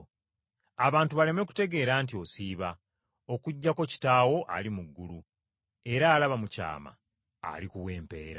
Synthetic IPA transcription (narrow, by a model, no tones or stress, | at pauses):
aβaːntuβale̞me̞ku̥te̞ɡe̞ːɾaːntio̞siːβa | o̞kuɟːako̞ci̥taːwo̞ʔa̰limuɡːulu | e̞ɾaːlaβamuca̰ːma̰ | a̰likuwe̞ːmpe̞̰ːɾa